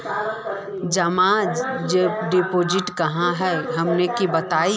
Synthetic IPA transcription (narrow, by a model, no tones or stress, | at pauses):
d͡ʒɐmãd͡ʒeɖepoːd͡ʒɪʈkɐɦãɦɛɦɐmnekibɐt̪aːi